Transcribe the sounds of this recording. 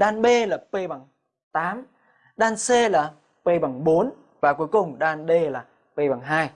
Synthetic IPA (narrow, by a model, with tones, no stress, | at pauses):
ɗaː˧nɓe˧laː˨˩pe˧ɓa˨˩ŋ | t̪aː˨˦m | ɗaː˧nse˧laː˨˩ | pe˧ɓa˨˧˩ŋɓo˨˦n | vaː˨˩ku˨˦jkʊ˨˩ŋ͡mɗaː˧nɓe˧laː˨˩ | pe˧ɓa˨˩ŋɦaː˧j